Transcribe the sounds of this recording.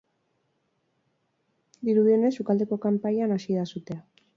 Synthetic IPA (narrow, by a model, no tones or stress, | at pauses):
d̪iɾuðio̞ne̞sukald̪e̞ko̞kampaɲanasiðasut̪e̞a